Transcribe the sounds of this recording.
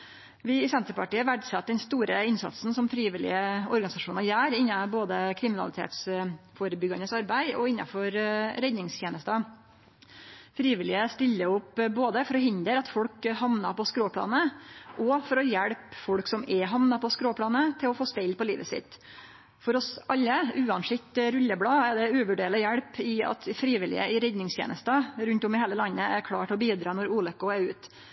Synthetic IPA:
ʋɪɪsɛnt̪ɾəpʰɑʈiːəʋæɖsɑt̪̚ːd̪ɛnst̪uːɾəɪnsɑ̰t̪sn̩sɔmfɾiːʋɪlɪ̰əɔɾɡɑnɪsɑʂuːnɑɾjæːɾɪnːɑboːd̪əkʰɾɪmɪnɑlɪt̪ʰḛːt̪sfoːɾəbʏɡɑnəsɑɾbæɪɔɪnːɑ̰fɔɾɾɛd̪nɪŋst̪ʰjeːnəst̪ə | fɾiːʋɪlɪəst̪ɪlːəʊpːboːd̪əfɔɾɔɦʏnd̪əɾɑt̪fɔlkhɑmnɑpɔskɾoːpʰɽɑ̰ːnəʔɔfɔɾɔjɛɽpfɔɽksɔmɛɦɑmnɑpʰɔskɾoːpʰɽɑːnət̪ʰɪlɔfoːspɛɪlpɔlḭːʋəsɪ̰t̪ː | fɔɾɔsʔɑlːəʉːɑnsɪkt̪ɾʉlːəbɽɑːæɖ̪ɛʉːʋʉɖeːɭəjæɽpɪɑ̰t̪fɾiːʋɪlɪ̰ə̰ɪɾɛd̪nɪŋst̪jḛːnəst̪ɑɾʉnt̪ɔmɪheːləlɑnːəæɾkʰɽɑːʈʰɪlɔbiːd̪ɾɑːnɔɾuːlɛkːʊæɾʉːt̪

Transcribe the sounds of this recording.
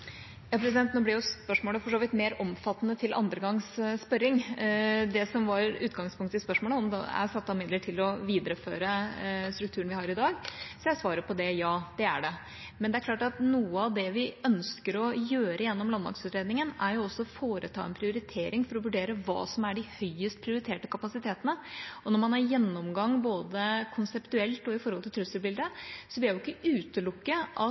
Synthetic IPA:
jɑːpʰɾɛsɪd̪ɛnt̪noːblɪɾjʊspœʂmoːləfɔʂoːʋɪt̪meːɾɔmfɑt̪ːənət̪ʰɪlʔɑ̰nd̪ɾəɡɑŋsspœɾːɪŋ | d̪ɛsɔmʋɑɾʉːt̪ɡɑŋspʰʊŋkt̪əɪspœʂmoːləɔmd̪ɛ̰æ̰sɑt̪ːɑmɪd̪ləʈʰɪlɔʋiːd̪əɾəfø̰ːɾəst̪ɾʉk̚t̪ʰʉːəɳʋɪhɑɾɪd̪ɑːɡsɔjæsʋɑːɾəpʰɔd̪ɛjɑːd̪̥ɛæɖɛ | mɛnd̪ɛæɾklɑːʈɑt̪nuːəɑʋd̪ɛʋɪœnskəɾɔjøːɾʔəjɛnːɔmlɑnb̪ɑ̰ŋksʉːt̪ɾeːd̪nɪŋənæɾjʊɔsːɔfoːɾət̪ʰɑ̰ːɛ̰npʰɾɪʊɾɪt̪ʰeːɾɪŋfɔɾɔʋʉɖeːɾəʋɑ̰ːsɔmæɖɪhœʏəst̪̚pʰɾɪʊɾɪt̪ʰeːʈəkʰɑpɑsɪt̪ʰeːt̪ənəɔnɔɾmɑnhɑɾjɛnːɔmɡɑŋːboːd̪əkʰʊnsɛpt̪ʉɛlt̪ɔɪfɔɾhɔlt̪ɪlt̪ʰɾʉsːəlbɪld̪əsɔblɪlæjʊɪkːəʔʉːt̪əlʊkːəʔɑ

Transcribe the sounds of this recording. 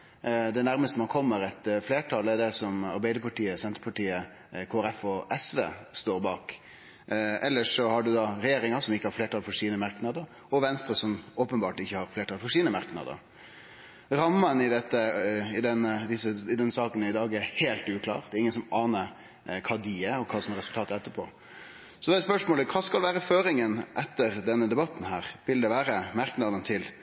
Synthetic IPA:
d̪ɛnæɾməst̪əmɑnkʰɔmːəɾɛt̪fleːʈʰɑːlɛɖɛsɔmɑ̰ɾbæɪəɾpʰɑʈiːəsɛnt̪ɾəpʰɑʈiːə | kʰoːɛɾɛfɔʔɛsʋḛːst̪oːɾbɑ̰ːk | ɛlːəʂɔhɑɖʉd̪ɑɾɛjeːɾɪŋɑɾsɔmɪçːəhɑɾfleːʈɑlfɔʂiːnəmɑɾknɑd̪əɾ | ɔʋɛnst̪ɾəsɔmoːpənbɑːʈɪçːəhɑɾfleːʈʰɑːlfɔʂiːnəmɑɾknɑ̰d̪ə̰ | ɾɑmːənɪd̪ɛt̪ːəɪd̪ɛnd̪ɪsəɪd̪ɛnsɑːkənəɪd̪ɑːɡɛɾheːlt̪ʉːkʰlɑ̰ːɾd̪ɛːɾɪŋːənsɔmɑːnəɾ | kʰɑːd̪iəɔkʰɑːsɔmɾɛsʉlt̪ʰɑːt̪əɛt̪ːəpʰo̰ː | sɔd̪ɛɛspœʂmoːləkʰɑːskɑlʋæːɾəføːɾɪŋənʔɛt̪ːəɾd̪ɛnːəd̪ɛbɑt̪ːn̩hæ̰ːɾʋɪld̪ɛʋæːɾəmɑɾknɑd̪ənt̪ʰɪl

